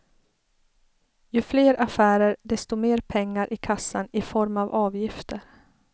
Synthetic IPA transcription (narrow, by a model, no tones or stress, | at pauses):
jɵfleːɾʔafæːɾəɾɖ̪ɛst̪ɔmeːɾpʰɛŋːaɾʔɪkʰasːanɪfɔɾmavɑːvjɪft̪ʰəɾ